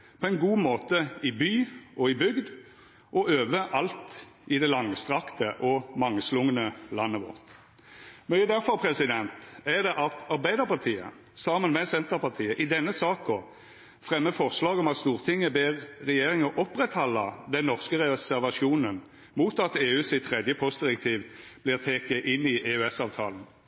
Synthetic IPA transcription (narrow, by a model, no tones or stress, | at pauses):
pʰɔɛnɡuːmoːt̪əɪbyːʔɔɪbʏɡd̪ | ʔɔʔøːʋəʔɑlt̪ | ɪd̪ɛlɑŋst̪ʁɑkt̪əʔɔmɑŋːslʊŋənəlɑnːəʋɔ̰ʁt̪ | mœʏəd̪æɾfɔʁpʰɾɛsɪd̪ɛnt̪ɛd̪ɛʔɑt̪ɑɾbæɪd̪əʁpʰɑʁt̪ʰiːə̰ | sɑːmənmɛsɛnt̪əʁpɑʁt̪ʰiːəʔɪd̪ɛnːəsɑːkɔ | fʁɛmːəfɔʁslɑːɡɔmɑt̪st̪uːʁt̪ʰɪŋːəbeːʁʁɛjeːʁɪŋɔʔɔpʁɛt̪hɑlːəd̪ɛnːɔʁskəʁɛsæʁʋɑʃuːnən | muːt̪ɑt̪eːʉːsɪt̪ʰʁɛd̪jəpʰɔst̪d̪ɪʁɛkt̪ʰiːʋb̥lɪʁt̪ʰeːkəʔɪnːɪeʉɛsɑːʋt̪ʰɑ̰ːlən̩